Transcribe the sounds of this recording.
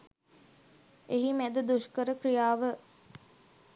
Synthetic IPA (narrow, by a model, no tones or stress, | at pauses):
eɦimæd̪əd̪uʃkəɾəkɾijaːʋə